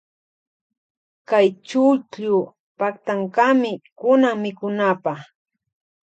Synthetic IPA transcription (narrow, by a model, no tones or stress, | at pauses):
kajt͡ʃʊʎʊ | pakt̪aŋkamɪkʊnaŋmɪkʊnapɑχ